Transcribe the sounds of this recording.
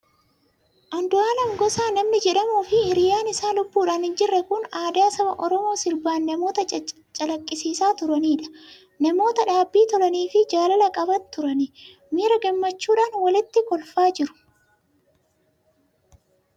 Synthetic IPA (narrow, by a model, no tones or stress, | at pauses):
ʔɐnd̪ʊaːlɐmɡɔsaːnɐmnɪd͡ʒɛᶑɐmuːfɪhɪɾɪjaːnɪsaːlʊbːuːᶑaːnhɪnd͡ʒɪrːɛkʊnaːd̪aːsɐbɐʔɔɾɔmo̞ːsɪɾbaːnːɐmo̞ːt̪ɐ | t͡ʃʼɐlɐkʼːɪsiːsaːt̪ʊɾɐniːᶑɐ̥ | nɐmo̞ːt̪ɐᶑaːbːiːt̪ɔlɐniːfɪd͡ʒaːlɐlɐkʼɐbɐnt̪ʊɾɐnɪ | miːɾɐɡɛmːɐt͡ʃːuːᶑaːnwɐlɪt̪ːɪkɔlfaːd͡ʒɪɾʊ̥